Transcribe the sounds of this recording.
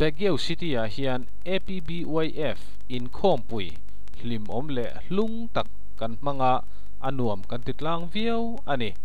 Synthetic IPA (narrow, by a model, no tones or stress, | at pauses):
bɛɡɛwsit̪iaʔhiən | ʔepibiujʔɛf | ʔinkʰɔːmpuj | l̥imʔɔmlɛʔluŋt̪akː | ɐnm̥aŋaʔ | ʔɐ̰nuəmkɐnt̪it̪laːŋviəw | ʔɐni